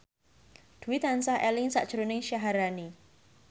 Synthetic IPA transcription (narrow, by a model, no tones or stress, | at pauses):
d̪̥ṳwit̪ansahɛlɪŋsa̰ʔd̥ʒ̥ɾonɪŋʃaɦaɾani